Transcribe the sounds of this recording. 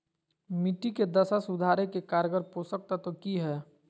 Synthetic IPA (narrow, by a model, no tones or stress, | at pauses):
miʈiked̪əsasʊd̪ʱaːɾekekaːɾɡəɾposək̚t̪at̪okiɦɛː